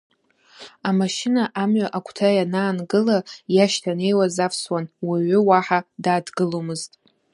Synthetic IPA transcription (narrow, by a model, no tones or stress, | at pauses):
amaʃɪnaʔamɥaʔakʷʰtʰajanaːnɡɨlajaʃtʰane̞jwazafʰswanwiɥʷʏwaħadaːdɡɨlomɨztʼ